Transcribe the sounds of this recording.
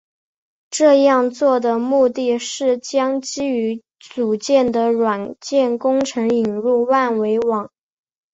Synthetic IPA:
ʈ͡ʂɤ˥˧jɑ˥˧ŋt͡swɔ˥˩d̪ə˩mu˥˧t̪i˥˧ʂɻ̩˥˩t͡ɕjɑ˥ŋt͡ɕi˥y˧˥ | t͡su˨˩t͡ɕjɛ˥˩nd̪ə˩ɻwa˨˩nt͡ɕjɛ˥˩nkʊ˥ŋʈ͡ʂʰɤ˧˥ŋi˨˩ŋɻu˥˧wa˥˩nwe˧˥ɪwɑ˨˩˦ŋ

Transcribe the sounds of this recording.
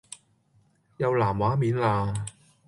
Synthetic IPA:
jɐ˨˧wlaː˨˩mwaː˨˥miː˨˥nlaː˧

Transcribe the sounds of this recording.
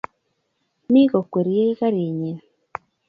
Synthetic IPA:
mi˦ko˨kwe˨ɾje˦ka˦ɾi˨ɲe˨n

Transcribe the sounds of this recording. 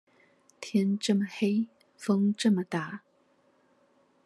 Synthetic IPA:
t̪ʰjɛ˥nʈ͡ʂə˥˩mə˨˩xe˥ɪ | fɤ˥ŋʈ͡ʂɤ˥˩mə˨t̪a˨˩˦

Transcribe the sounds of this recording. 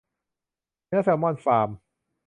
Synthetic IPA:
nɯ˦˥˦sɛ˧˩˦mɔ˧˩˨nfaː˨˩m

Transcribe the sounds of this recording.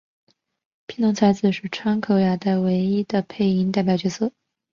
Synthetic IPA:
pʰi˥nt̪ʰʊ˧˥ŋt͡sʰa˧˥ɪd͡zɹ̩˧ʂɻ̩˥˩ʈ͡ʂʰɑ˥ŋkʰo˧˥ʊja˧˥t̪a˥˩ɪwe˧˥ɪi˥d̪ə˨pʰe˥˩ɪi˧˥nt̪a˥˩ɪp̬jɑ˨˩ʊt͡ɕɥɛ˧˥sɤ˥˩

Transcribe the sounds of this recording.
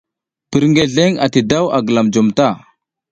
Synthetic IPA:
pi˨ɾŋɡe˨ɮe˦ŋa˨ti˨da˦wa̰˨ɡə˨la˨md͡ʒo˨mta˦˨

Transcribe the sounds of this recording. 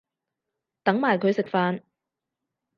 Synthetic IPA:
t̪ɐ˨˥ŋmaː˨jkʰɵ˨˧ɥsɪ˨k̚faː˧n

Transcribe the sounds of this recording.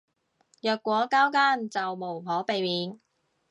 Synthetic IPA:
jœː˨kːʷɔː˨˥kaː˥wkaː˥nt͡sɐ˨wmo˨˩wpʰɔː˨˥pe˨jmiː˨˥n

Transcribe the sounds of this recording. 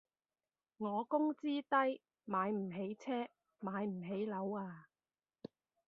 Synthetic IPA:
ŋɔː˨˧kʊ˥ŋt͡siː˥t̪ɐ˥j | maː˨˧jm̩˨˩ɦe˨˥jt͡sʰɛː˥ | maː˨˧jm̩˨˩ɦe˨˥jlɐ˨˥waː˧

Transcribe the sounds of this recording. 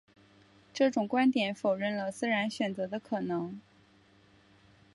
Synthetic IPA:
ʈ͡ʂɤ˥˩ʈ͡ʂʊ˨˩ŋkwa˥nt̪jɛ˨˩nfo˨˩ʊɻə˥˩nlə˩sɹ̩˥ɻa˧˥nɕɥɛ˨˩nt͡sɤ˧˥d̪ə˧kʰɤ˨˩nɤ˧˥ŋ

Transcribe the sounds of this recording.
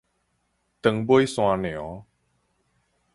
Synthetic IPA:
t̪ə˧ŋbo˦jsw̃ã˧n˨ɔ̃˨˦

